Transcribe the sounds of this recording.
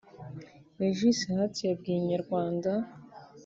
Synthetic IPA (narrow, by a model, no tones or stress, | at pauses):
neʒisihatijabɡiɲaɾɡwaːnda